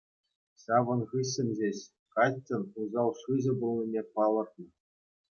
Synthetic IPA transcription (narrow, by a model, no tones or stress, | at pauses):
ɕɑʋɤ̆nʁɯɕʲːɘ̆nʲd͡ʑeɕ | kɑtʲːɘ̆nuzɑlˠʂɯʑɘ̆bulˠnʲinʲerpɑlˠɤ̆rt̪nɤ̆